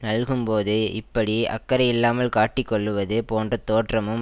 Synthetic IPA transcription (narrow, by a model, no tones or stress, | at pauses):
nɐlɣɯmpoːðɯɪpːɐɽiɐ̰kːɐɾɐjɪlːaːmɐlkaːʈːɪkːɔɭːɯʋɐðɯpoːndrɐt̪ːoːʈrɐmɯm